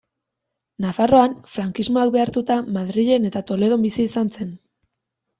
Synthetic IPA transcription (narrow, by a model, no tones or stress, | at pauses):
nafaro̞anfɾaŋkizmo̞ak̚be̞aɾt̪ut̪amaðɾiʎe̞ne̞t̪at̪o̞le̞ð̞o̞mbisiːsanse̞n